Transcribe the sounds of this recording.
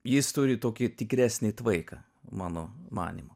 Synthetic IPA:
jɪst̪ʊɾʲɪt̪oːkʲɪt̪ʲɪkɾʲæːsʲnʲɪt̪ʋɐɪkɐ | mɑːnoːmɑ̰ːnʲḭmo

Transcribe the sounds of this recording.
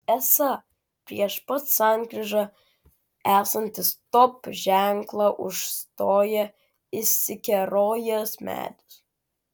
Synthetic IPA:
æsɐ | pʲɾʲiɛʃpɐt̪ssɑŋkɾʲɪʒɐ | æːsɐnʲt̪ʲɪst̪ɔpʒʲæŋklˠɐʔʊʃst̪oːjɛ | ɪsʲɪkʲɛɾoːjɛsmʲæ̰ːt̪ʲʊ̥s

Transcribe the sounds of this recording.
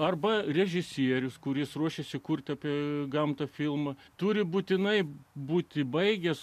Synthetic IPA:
ɐrbɐrʲɛʒʲɪsʲiɛɾʲʊskʊɾʲɪsruɔʃʲesʲɪkʊrʲt̪ʲɐːpʲiɛɡɐmt̪ɐfʲɪlˠmɐt̪ʊɾʲɪbuːt̪ʲɪnɐɪbuːt̪ʲɪbɐɪɡʲɛs

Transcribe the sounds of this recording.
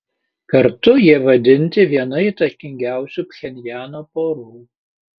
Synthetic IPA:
kɐɾt̪ʊjiɛʋɐd̪ʲɪnʲt̪ʲɪʋʲiɛnɐit̪ɐkʲɪŋʲɡʲæˑʊsʲuːpʲxʲɛnʲjæːnoːpoːɾuː

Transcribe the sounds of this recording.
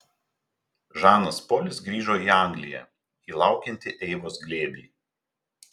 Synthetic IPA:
ʒɑːnɐspoːlʲɪsɡɾʲiːʒoːiːɑˑŋʲɡlʲɪjɛ̰ | iːlˠɑˑʊkʲɛnʲt̪ʲɪʔɛɪʋoːsɡlʲeːbʲlʲiː

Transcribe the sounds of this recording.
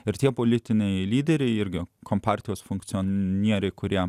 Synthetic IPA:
ɪɾt̪ʲiɛpolʲɪt̪ʲɪnʲɛɪlʲiːd̪ʲɛɾʲɛɪɪɾʲɡʲɪkompɑːˑɾʲt̪ʲɪjoːsfʊŋk̚t̪sʲɪoːnʲiɛɾʲɛɪkʊɾʲiɛ

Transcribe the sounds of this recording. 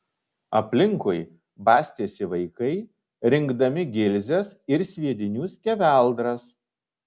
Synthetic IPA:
ɐpʲlʲɪŋkʊɪ | bɑːsʲt̪ʲeːsʲɪʋɐɪkɐɪ | ɾʲɪŋɡd̪ɐmʲɪɡʲɪlʲzʲɛsɪɾsʲʋʲiɛd̪ʲɪnʲuːsʲkʲɛʋʲæˑlˠd̪ɾɐs

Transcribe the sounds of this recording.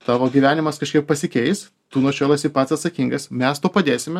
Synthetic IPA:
t̪ɑːʋoːɡʲiːʋʲæːnʲɪmɐskɐʃʲkʲiɛp̚pːɐsʲɪkʲɛɪs | t̪uːnoːʃʲoːlˠɐsʲiɪpɐt̪sɐt̪sɐkʲiŋɡɐsmʲɛst̪oːpɐd̪ʲeːsʲɪmʲɛ

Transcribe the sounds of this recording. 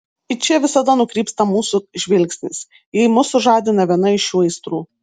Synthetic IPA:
ɪt͡ʃʲɛʋʲɪsɐd̪ɐnʊkɾʲiːpst̪ɐmuːsʊʒʲʋʲɪlʲksʲnʲɪs | jɛɪmʊsʊʒɑːd̪ʲɪnɐʋʲiɛnɐɪʃjuːɛɪst̪ɾuː

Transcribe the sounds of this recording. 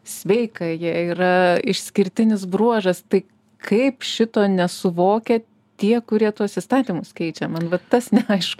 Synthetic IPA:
sʲʋʲɛɪkɐjiɛiːɾɐɪʃsʲkʲɪɾʲt̪ʲɪnʲɪsbɾuɔʒɐst̪ɐɪ | kʰɐɪpʃʲɪt̪oːnʲɛsʊʋoːkʲɛ | t̪ʲiɛkʊɾʲiɛt̪uɔsist̪ɑːt̪ʲiːmʊskʲɛɪt͡ʃʲɛmɐnʋɐt̪ɐsnʲɛɐɪʃkʊ

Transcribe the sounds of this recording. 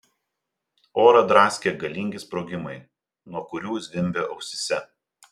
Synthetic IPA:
oːɾɐd̪ɾɑːsʲkʲeɡɐlʲiŋʲɡʲɪspɾoːɡʲɪmɐɪ | nuɔkʊɾʲuːzʲʋʲɪmʲbʲeːʔɐʊsʲɪsʲɛ

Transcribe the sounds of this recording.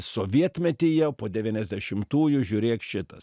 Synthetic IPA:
soːʋʲiɛt̪ʲmʲɛt̪ʲiːjɛʊpoːd̪ʲɛʋʲiːnʲɛzʲd̪ʲɛʃʲɪmt̪uːjʊʒʲʊːɾʲeːkʃʲɪt̪ɐs

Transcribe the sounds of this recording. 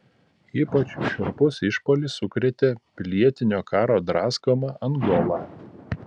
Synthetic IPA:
iːpɐt͡ʃʲʃʲʊɾpʊsɪʃpoːlʲisʊkɾʲɛt̪ʲeːpʲlʲiɛt̪ʲɪnʲoːkɑːɾoːd̪ɾɑːskoːmɑʔɐnɡoːlˠɑː

